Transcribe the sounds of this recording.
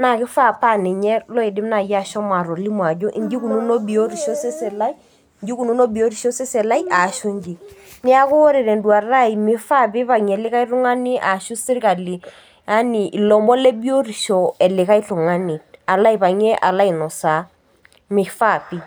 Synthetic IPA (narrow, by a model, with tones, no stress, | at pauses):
na˨kɪ˦fa˦˨pa˦˨nɪ˨ɲɛ˦lɔ˦i˨dɪ˦m˦na˨ja˦˨ʃɔ˦ma˨ɾo˨li˦m˨a˨d͡ʒo˦ʔḭ˨ɲd͡ʒi˦ku˨nu˦no˦bi˨o˦ɾi˨ʃo˦sɛ˦sɛ˨la˦i˦ | nd͡ʒi˦ku˨nu˦no˦bi˨o˦ɾi˨ʃo˦se˦sɛ˨la˦ja˨ʃu˦ɲd͡ʒi˨nɪ˦a˦kʊ˦wo˦ɾe˨ɾɛ˨ndwa˨ra˦i˨mɪ˨fa˦pi˦pa˨ŋ˨ɛ˨lɪ˦ka˦i˦lʊ˦ŋa˦ni˦ʔa˨ʃu˦sɪ˦ɾka˨li˨ | a˦ni˨ʔi˨lɔ˨mbɔ˦le˦bi˦o˦ri˨ʃɔ˨ɛ˨lɪ˨ka˦i˦tu˨ŋa˦ni˨a˨la˦i˨pa˨ɲɛ˦ʔa̰˨la˦i˨nɔ˨sa˨˦ | mɪ˨fa˦˨pi˦